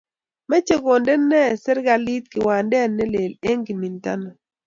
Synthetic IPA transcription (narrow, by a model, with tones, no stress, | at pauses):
mɛ˦t͡ʃe˦ko˨ndɛ˦nːɛ˦˨sɛ˦ɾɡa˨li˦tkɪ˨wa˨ndɛ˦˨nːɛ˦le˨le˦ŋɡi˨mi˨nta̰˦na˨